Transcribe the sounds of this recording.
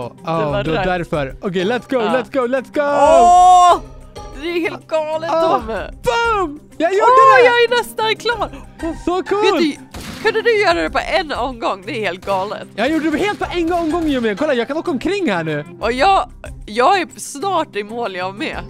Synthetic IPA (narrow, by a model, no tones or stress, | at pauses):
ʔɑd̪ɛad̪æɾfœɾɔkɛjlɛt̪sɡ̥oʊlɛt̪sɡ̥oʊlɛt̪sɡo | d̪ɛːheːlt̪̚ɡɑːlətɔɔmb̪̥ʊm | jɑːjujɑːɡænɛst̪ankʰlɑːɾsɔkʰuːlkʰɵnd̪əd̪ɵjœːɾad̪ɛpɔ̰ʔɛnːɔmɡɔŋːd̪ɛæɾheːlt̪̚ɡɑːlə̰t̪ːjɑjuɖədɛheːlt̪̚pʰɔʔɛnɔmɡɔŋːiəmɛkʰɔlːajɑːɡkʰanɔkːɔmkʰɾɪŋːhæːɳʉ̟ːʔɔjɑːɡjɑːɡæɾsnɑːʈɪmoːlɪɑmɛ̰